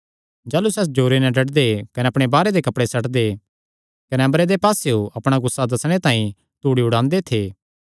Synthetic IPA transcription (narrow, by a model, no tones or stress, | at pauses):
d͡ʒaːlusɛs̬d͡ʒoːɾenɛ̃ɖɐʈd̪ekɐnɛɐpɽ̃ebaːɾed̪ekɐpɽesɐʈd̪e | kɐnɛɐmbɾed̪epaːseoʔɐpɽ̃aɡʊsːad̪ɐsɽ̃et̪ãːĩ | t̪uːɽiʊɽãːnd̪et̪ʰeː